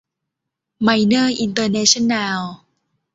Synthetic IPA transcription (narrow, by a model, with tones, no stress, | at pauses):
ma˧jnə˥˩ʔi˧nt̪əː˧nɛ˧ʃə˥na˧l